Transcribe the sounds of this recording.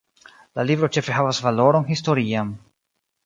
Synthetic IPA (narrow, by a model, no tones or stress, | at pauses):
lalibɾo̞t͡ʃe̞fe̞ɦavasvalo̞ɾo̞nɦisto̞ɾiam